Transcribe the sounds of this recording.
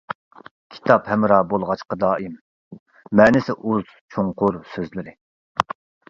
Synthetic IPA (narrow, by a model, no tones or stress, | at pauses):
kʲʰi̥t̪ʰɑphɛmɾɑbolˠʁɑt͡ʃqɑd̪ɑːʔimː | ɛːnɪsɪʔuz̥t͡ʃʰoŋqʊɾsøzlɪɾɪ